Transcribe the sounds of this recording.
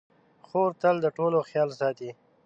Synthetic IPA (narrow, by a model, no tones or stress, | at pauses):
xoɾt̪əld̪əʈoloxjɑːlsɑt̪i